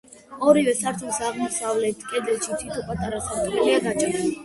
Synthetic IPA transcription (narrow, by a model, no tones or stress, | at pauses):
ɔɾivɛsaɾt̪ʰulˠsaʁmɔsavlɛt̪ʰkʼɛd̪lɛt̪ʃit̪ʰit̪ʰɔpʼat̪ʼaɾasat̪ʼkɛliaɡat͡ʃʼaɾ